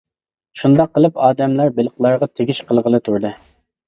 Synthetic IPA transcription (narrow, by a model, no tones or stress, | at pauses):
ʃund̪ɑqːəlˠɨpɑːd̪ɛmlɑɾbɪlqlˠɑɾʁɑt̪ʰeɡʲiʃqʰəlˠʁəlˠɨt̪ʰuɾd̪ɨ